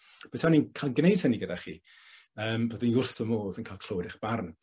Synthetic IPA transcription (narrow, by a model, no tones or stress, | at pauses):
b̥ɛtʰaninkʰalˠɡnejd̥̚həniɡədaχḭ | əːmboːdinʊrθɔmoːðənkʰaːlˠkʰl̥ˠowdɪχb̥arn